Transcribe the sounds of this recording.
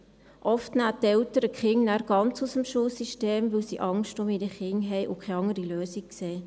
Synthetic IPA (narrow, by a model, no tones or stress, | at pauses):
ʔɔftnætɛwtəɾəkχɪŋnæːɾɡ̥ɑnt͡susəmʃuːlsiʃteːmʋɵwsiʔɑŋʃtʊmɪdəχɪŋɦɛjʔʊkʰχɛɑŋəɾiløːsikseː